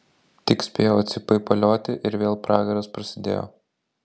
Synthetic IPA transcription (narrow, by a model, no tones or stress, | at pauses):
t̪ʲɪksʲpʲeːjoːɐt̪ʲsʲɪpɐɪpɐlʲoːt̪ʲɪʔɪɾʋʲeːlˠpɾɑːɡɐɾɐspɾɐsʲɪd̪ʲḛːjo̰ː